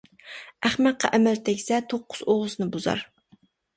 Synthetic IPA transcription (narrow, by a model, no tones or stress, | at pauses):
æχmæt̪̚qɑ̰ʔɛmɛlt̪ʰɛkʲsɛt̪ʰoqʰːʊ̥z̥oʁʊznɨbuzɑ̰ɾ